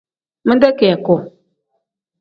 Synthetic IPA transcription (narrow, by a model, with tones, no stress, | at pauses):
mɨ˦da˦ke˨a˨ko˨